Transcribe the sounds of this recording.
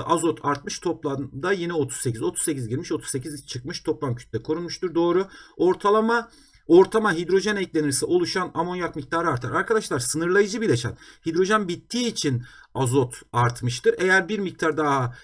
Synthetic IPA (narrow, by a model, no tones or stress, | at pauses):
azo̞t̪ʰaɾt̪mɯʃt̪ʰo̞plˠand̪ajinɛo̞t̪ʰu̥ssecʰizo̞t̪ʰu̥sse̞cizɟiɾmiʃot̪ʰuzse̞cʰizt͡ʃʰɯk̚mɯʃt̪ʰo̞plˠamcʰy̥t̪lʲɛkʰo̞ɾunmuʃt̪uɾd̪o̞ːɾuoɾt̪ʰalˠama | oɾt̪ʰamaɦid̪ɾo̞ʒɛnɛclʲe̞niɾsiʔo̞lˠuʃanamo̞njakmic̚t̪ʰaːɾɯaɾt̪ʰa̰ɾaɾkʰad̪aʃlˠaɾsɯnɯɾlˠajɯd͡ʒɯbilʲeʃa̰nhid̪ɾo̞ʒɛnbit̪ʰːiːt͡ʃʰinazot̪aɾt̪mɯʃt̪ɯɾe̞jæɾbiɾmic̚t̪ʰaɾd̪aɦa